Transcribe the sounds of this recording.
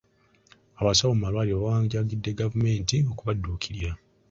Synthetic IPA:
aβasaβomumalwaːlioβaaːɲɟaɡidːe̞ɡavume̞ːntio̞kuβadːuːkʰiɾja

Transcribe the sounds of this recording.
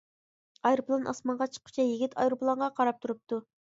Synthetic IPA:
ɑjɾuplˠɑnʔɑ̰smɑɴʁɑt͡ʃʰə̥qːʰʊ̥t͡ʃʰɛjiɡʲit̪ʰɑjɾuplˠɑɴʁɑqʰɑɾɑp̚t̪ʰuɾup̚t̪ʰu

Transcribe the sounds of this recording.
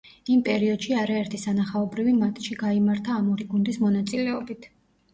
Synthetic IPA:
impʼɛɾiɔd̪̥ʃiaɾaɛɾt̪ʰisanaχaɔbɾivimat̪ʼʃiɡaimaɾt̪ʰaːmɔɾiɡund̪ismɔnat̪sʼilɛɔbit̪ʰ

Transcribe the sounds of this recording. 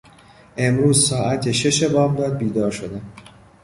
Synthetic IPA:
ʔe̞mɾuːzsɒːʔæt̪ʰeʃe̞ʃe̞bɒːbd̪ɒːd̪̚biːd̪ɒːɾʃo̞d̪æm

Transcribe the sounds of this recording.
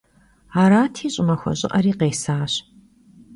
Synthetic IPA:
aːɾaːtʰiːɕʼɪmɐxʷɔ̰ɕʼɪ̰ʔɐɾiːqeːsaːɕ

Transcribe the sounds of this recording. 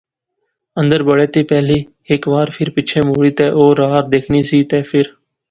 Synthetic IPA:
ə̃nd̪əɾbəɽeːt̪iːpɛːliː | ɪkʋaːɾpʰɪɾpɪt͡ʃʰẽːmoːɽiːt̪eːʔoːɾaːɾd̪eːkʰniːsiːt̪eːpʰɪɾ

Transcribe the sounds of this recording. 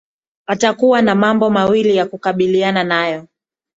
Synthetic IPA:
atakuwanamambɔmawilijakukaɓiliananajɔ

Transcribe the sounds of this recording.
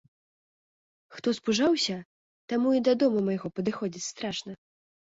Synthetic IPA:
xt̪ɔspuʐawsʲɐ | t̪amuid̪ɐd̪ɔmumɐjɣɔpɐd̪ɨxɔd͡zʲit͡sʲst̪ɾaʂnɐ

